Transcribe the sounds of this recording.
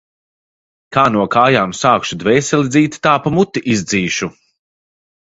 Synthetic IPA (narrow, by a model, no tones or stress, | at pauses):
kaːnuɔkaːjaːmsaːkʃud̪vɛːsʲɛlʲid̪ziːt̪t̪aːpamut̪ːiʔizd̪ziːʃu